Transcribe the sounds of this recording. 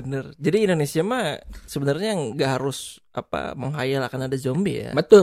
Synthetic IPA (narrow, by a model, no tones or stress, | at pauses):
bənərd͡ʒadiːndonesiamasəbənarɲaŋɡaʔɦaɾʊsʔa̰pa̰məŋɦajalakanadad͡ʒombija̰bət̪ʊ